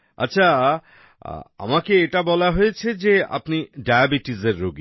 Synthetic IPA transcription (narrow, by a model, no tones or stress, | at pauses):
a̰tːɕʰa̰ | a̰makeeʈabɔlaɦojet͡ɕʰed͡ʑea̰pniɖajabiʈizeɾːoɡi